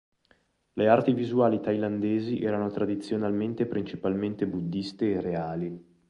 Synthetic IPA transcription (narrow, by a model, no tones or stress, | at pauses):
leart̪ivizuaːlit̪ajland̪eːziʔɛːɾanot̪ɾad̪it̪sːjonalment̪epɾint͡ʃipalment̪ebud̪ːist̪eːreaːli